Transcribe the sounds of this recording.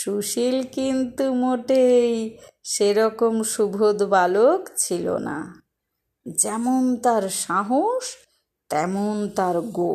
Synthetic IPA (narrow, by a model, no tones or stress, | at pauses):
ʃuʃilkint̪umoʈejʃeɾɔkomʃubʱod̪balokt͡ɕʰilo̰na̰ | d͡ʑɛmont̪aɾʃaɦoʃ | t̪ɛmont̪aɾɡo